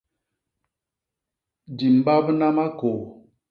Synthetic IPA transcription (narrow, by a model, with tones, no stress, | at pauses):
di˨m̩˨˦ba˦bna˦ma˦ko˨